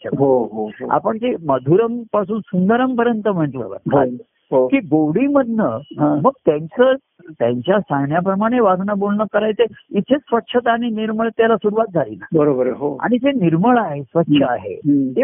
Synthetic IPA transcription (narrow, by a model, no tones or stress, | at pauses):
ə̰ɦoɦooa̰pəɳtiməd̪ʱuɾəmpasuːnsund̪əɾəmpəɾjənt̪əm̤əɳʈlə̰ʋə̰ka | ɦokiːɡowɽiməd̪ʱnəɦãməɡ̚t̪jãɲt͡sə | t̪jaɲt͡ɕjasaɳjapɾəmaɽ̃eʋasnabolnəkəɾajt͡seit̪ʰesʋətːʂʰət̪aɽ̃iniɾməɭt̪jalasuɾuʋat̪̚d͡zʱalḭnabəɾobəɾɦoa̰ɽ̃id͡zeniɾməɭaɦesʋətːɕʰəaɦḛe